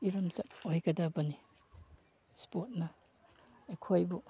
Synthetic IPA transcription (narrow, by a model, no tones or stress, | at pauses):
iɾɐmzɐpojɡɐdabɐni | spot̚nɐ | ekʰojbu